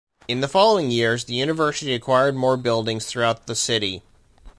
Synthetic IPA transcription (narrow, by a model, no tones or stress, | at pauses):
ɨ̃nðəfɑlˠoʊɪ̃ŋjɪɹzðɨjʉñɨvɜ˞sɨɾiɨkʰw̥aɪə˞d̚mɔɹbɪlˠdɪ̃ŋz̥θɹʉaʊt̪̚ðəsɪɾi